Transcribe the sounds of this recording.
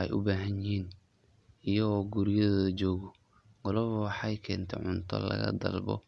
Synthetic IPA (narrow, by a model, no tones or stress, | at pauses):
ɛjʔʊbaːɦɐnjɪɦiːn | ʔijɐɣɔːɡuɾɪjɐðɐðd͡ʒɔːɣɔ | ɡ̥ɔlɔβwɑħɑjkʰɛːnt̪ʰɛ̰ʕʊnt̪ʰɔ̰lɐ̰ɣɐ̰d̪ɐ̰lbɔ̰